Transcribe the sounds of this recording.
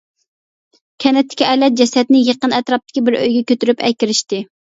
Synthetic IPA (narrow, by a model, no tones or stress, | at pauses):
kʲʰɛnɛt̪ʰːɪ̥kʲiʔɛlɛt̪̚d͡ʒɛsɛt̪nɪjeqənɛt̪ɾɑp̚t̪ʰɪ̥kʲibɪɾø̰jɡʲɛkʲøt̪yɾypɛ̰kʲiɾɪʃt̪ɪ